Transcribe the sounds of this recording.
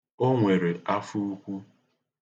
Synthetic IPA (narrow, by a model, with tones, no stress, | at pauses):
o˦ŋʷe˨ɾe˨a˦fu˦u˦kʷu˦